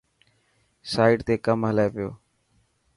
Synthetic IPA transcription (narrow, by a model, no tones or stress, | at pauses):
saːɪɖt̪eːkəmɦəlaeːʋɪjo̰ː